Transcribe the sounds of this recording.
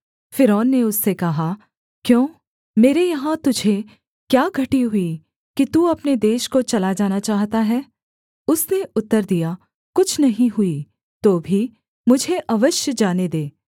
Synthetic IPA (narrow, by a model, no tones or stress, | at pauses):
fɪɾɔːnːeʊsːekɐɦa | kjõː | meːɾejɐɦãt̪ʊd͡ʒʱe | kjaːɡʱɐʈiɦʊi | kit̪uːɐpned̪eːʃkot͡ʃɐlad͡ʒaːnat͡ʃaːɦt̪aɦɛː | ʊsneʊt̪ːəɾd̪ija | kʊt͡ʃʰnɐɦĩɦʊi | t̪oːbʱi | mʊd͡ʒʱeʔɐʋəʃjəd͡ʒaːned̪eː